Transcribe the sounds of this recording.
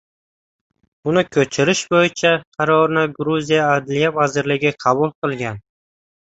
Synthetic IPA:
ʊnɪkʲʰɵt͡ʃʰɪɾɪʃbojɪt͡ʃʰaqʰɑɾɒɾnɪɡɾuzijaːd̪lijavazɪɾlɪɡʲɪqʰɑbʊlˠqɨlˠɡʲan

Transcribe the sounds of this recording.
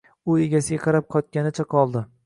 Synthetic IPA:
ʊeɡʲasɪɡʲaqʰɑɾap̚qʰɒt̪̚kʲanɪt͡ʃʰaqʰɒlˠd̪ɪ

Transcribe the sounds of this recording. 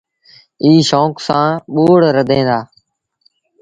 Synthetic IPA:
iːʃoːksãːɓoːɽɾəd̪ʱẽːnd̪aː

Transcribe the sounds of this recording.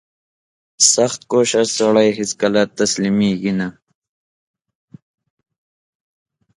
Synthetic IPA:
sɐxt̪̚koːɕɐsɐɽɐjɦiskɐlat̪ːɐslimiːɡinɐ

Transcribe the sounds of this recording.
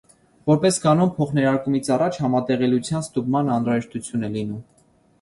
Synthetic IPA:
vɔɾpɛskɑnɔmpʰɔχnɛɾɑɾkumit͡sʰɑrɑt͡ʃʰhɑmɑt̪ɛʁɛlut͡sʰjɑnst̪ubmɑnɑnɾɑʒɛʃt̪ut͡sʰjunɛlinum

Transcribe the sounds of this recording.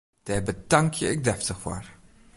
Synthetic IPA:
d̥ɛːbədɑŋkʰjəɪk̚dɛftəxfa̰r

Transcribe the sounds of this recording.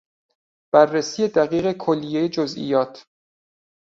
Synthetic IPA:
b̥ærːesiːje̞d̪æɣiːɣe̞kʰolːijejed͡ʒozʔḭjɒːt̪ʰ

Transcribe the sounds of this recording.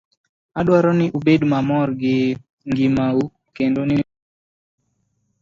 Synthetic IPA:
aɗwaɾɔnɪʔubedmamɔɾɡɪ | ŋɡimau | kendoni

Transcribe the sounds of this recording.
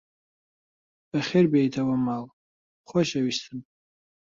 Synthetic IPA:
aχʲerbʲejtʰawamal | χʷɔʃaɥiʃtʰɨn

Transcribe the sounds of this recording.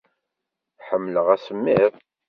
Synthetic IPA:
ħəmːləʁæsəmːɪðˤ

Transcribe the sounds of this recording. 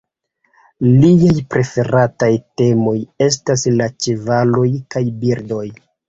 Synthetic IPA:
liajpɾe̞fe̞ɾatajte̞mo̞je̞s̬taslat͡ʃevalo̞jkajbiɾdo̞j

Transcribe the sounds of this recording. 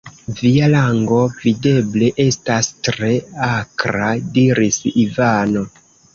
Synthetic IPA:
vialaŋɡo̞vide̞ble̞ʔe̞stastɾe̞akɾadiɾisivano̞

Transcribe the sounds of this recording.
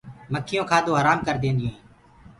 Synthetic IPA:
məkʰːɪjõːkʰaːd̪oːɦəɾaːmkəɾd̪ẽːnd̪ẽː

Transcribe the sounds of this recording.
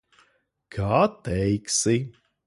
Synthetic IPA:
kʰaːt̪ɛjksi

